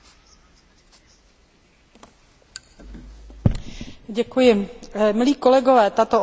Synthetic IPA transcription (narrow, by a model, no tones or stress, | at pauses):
ɟɛkujɪmɪliːkolɛɡovɛːt̪at̪o